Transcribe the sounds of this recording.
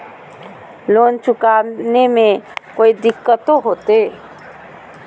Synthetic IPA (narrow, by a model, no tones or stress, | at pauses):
loːnt͡ʃʰʊkaːnemẽkoːid̪ɪkːət̪õɦoːt̪e